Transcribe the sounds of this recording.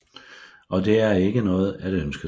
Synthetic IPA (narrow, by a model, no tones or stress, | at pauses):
ʔɒ̽d̥e̝æɐe̝ɡ̥ənɔ̽ːð̩ˠæɾ̥ønsɡ̥ɐ